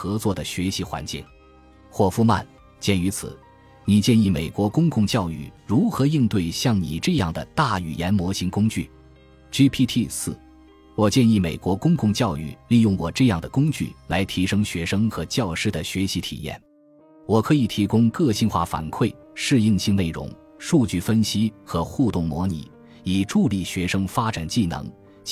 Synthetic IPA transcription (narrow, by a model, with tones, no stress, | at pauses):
xɤ˧˥t͡swɔ˥˩d̪ə˩ɕɥɛ˧˥ɕi˧˥xwa̰˧˥nt͡ɕi˥˩ŋ | xwɔ˥˩fu˥˧ma̰˥˩n | t͡ɕjɛ˥˩ny˧˥t͡sʰɹ̩˨˩˦ | ni˨˩t͡ɕjɛ˥˧ni˥˩me˨˩ɪkwɔ˧˥kʊ˥ŋkʊ˥˧ŋt͡ɕjɑ˥˧ʊy̰˥˩ɻu˧˥xɤ˧˥i˥˧nt̪we˥˩ɪɕjɑ˥˩ŋnḭ˨˩ʈ͡ʂɤ˥˧jɑ˥˩ŋd̪ə̰˩t̪a˥˩y̰˨˩jɛ˧˥nmwɔ˧˥ɕi˧˥ŋkʊ˥ŋt͡ɕy˥˩ | t͡ɕy˥pʰi˥t̪ʰi˥˧sɹ̩˥˩ | wɔ˨˩t͡ɕjɛ˥˧ni˥˩me˨˩ɪkwɔ˧˥kʊ˥ŋkʊ˥˧ŋt͡ɕjɑ˥˧ʊy̰˥˧li˥˧jʊ˥˩ŋwɔ˨˩ʈ͡ʂɤ˥˧jɑ˥˩ŋd̪ə˩kʊ˥ŋt͡ɕy̰˥˩la˧˥ɪt̪ʰi˧˥ʂɤ˥ŋɕɥɛ˧˥ʂɤ˥ŋxɤ˧˥t͡ɕjɑ˥˩ʊʂɻ̩˥˩d̪ə˨ɕɥɛ˧˥ɕi˧˥t̪ʰḭ˨˩jɛ̰˥˩n | wɔ˨˩kʰɤ˧˥i˨˩t̪ʰi˧˥kʊ˥ŋkɤ˥˧ɕi˥˧nxwa̰˥˩fa̰˨˩nkʰwe˥˩ɪ | ʂɻ̩˥˧i˥˧ŋɕi˥˧ŋne˥˩ɪɻʊ̰˧˥ŋ | ʂu˥˧t͡ɕy˥˩fə˥nɕi˥xɤ˧˥xu˥˧t̪ʊ˥˩ŋmwɔ˧˥nḭ˨˩˦ | i˨˩ʈ͡ʂu˥˧li˥˩ɕɥɛ˧˥ʂɤ˥ŋfa˥ʈ͡ʂa˨˩nt͡ɕi˥˩nɤ̰˧˥ŋ